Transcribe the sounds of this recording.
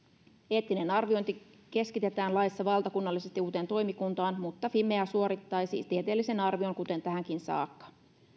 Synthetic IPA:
e̞ːt̪ːine̞nɑrʋio̞jnt̪i | ke̞skit̪e̞t̪æːnlɑjsːɑʋɑlt̪ɑkunːɑlːise̞st̪iuːt̪e̞nt̪o̞imikunt̪ɑːnmut̪ːɑfime̞æsuo̞ɾit̪ːɑjsḭːst̪iet̪elːise̞nɑrʋio̞ŋkut̪e̞nt̪æɦæŋk̟insɑ̰ːkːɑ̥

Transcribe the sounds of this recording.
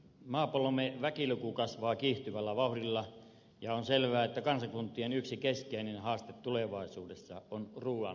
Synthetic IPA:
mɑːpolomeʋækilukukɑsʋɑːkiːht̪yʋælːæʋɑhrilːɑ | jɑonselʋæːet̪ːækɑnsɑkunt̪ːˑienyksikeskeinenhɑːst̪et̪tuleʋɑˑisuːdesːɑ̰onruːʋɑ̰n

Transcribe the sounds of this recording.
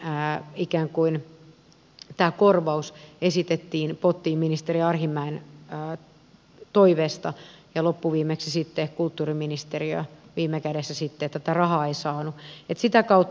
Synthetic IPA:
ikæːŋkuin | t̪æːkorʋɑusesit̪et̪ːiːnpot̪ːiːmminist̪eɾiɑrhimːæinː | t̪oiʋeːst̪ɑjɑlopːuʋiːmeksisit̪ːekult̪ːuːriminist̪eriø̰ʋiːmˑekædesːæsit̪ːeet̪ːæt̪ærɑhɑeisɑːnuet̪sit̪ækɑut̪ː

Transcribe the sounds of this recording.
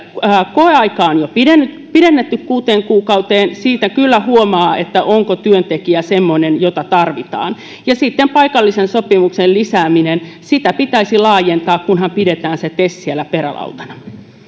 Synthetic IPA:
koeɑikɑːonjopidenːyt̪ | piɾenːet̪ːykkuːt̪eːŋkuːkɑut̪eːnsiːt̪ækylːæhuomɑːet̪ːæʔoŋkot̪yønt̪ekiæsemːonenjot̪ɑt̪ɑrʋit̪ɑ̰ːn | jɑsit̪ːempɑikɑlːisensopimuksellisæːminensit̪æpit̪æisilɑːjent̪ɑːkkunhɑmpidet̪æːnset̪essielːæpeɾæ̰lɑ̰ut̪ɑ̥nɑ̥

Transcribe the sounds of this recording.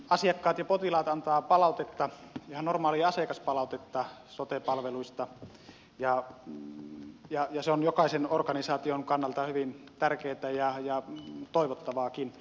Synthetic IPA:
ɑsiɑkːɑːt̪jɑpot̪ilɑːt̪ɑnt̪ɑːpɑlɑˑut̪et̪ːɑjɑɑnormɑːliɑsekɑspɑlɑˑut̪et̪ːɑsot̪epɑlʋeluist̪ɑ | jɑ | jɑjɑseonjokɑˑisenorkɑnisɑːt̪ioŋkɑnːɑlt̪ɑhyʋint̪ærkeːt̪æjɑjɑt̪oˑiʋot̪ːɑʋɑːkin

